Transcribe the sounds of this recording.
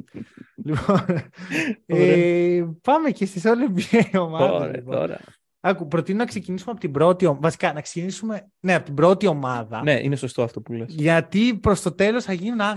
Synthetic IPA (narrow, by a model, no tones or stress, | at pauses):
lipo̞n | epɐmecesesolebieio̞mɐðɐl̰ipoo̰ɾɐ̰ | ɐkupɾo̞t̪inonɐkse̞cinisumeɐpo̞t̪ibɾo̞t̪io̞mvɐsi̥kɐnɐkse̥cinisume̞ | ne̞ɐpo̞t̪ibɾo̞t̪io̞mɐðɐneʔḭneso̞st̪oɐft̪o̞pulesʝɐt̪ipɾo̞st̪o̞t̪e̞losθɐʝinunɐ